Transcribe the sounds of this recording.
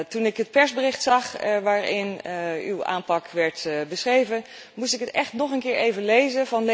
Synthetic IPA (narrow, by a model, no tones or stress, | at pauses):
tunɪkɦət̚pɛɹzbərɪxtsɑxʋaːɹɪny̰wa̰ːnpɑkʰʋɛɹtbəsχrejvən | mustɪkətɛxtnɔχənkɪːɹejvənlejzəvɑnl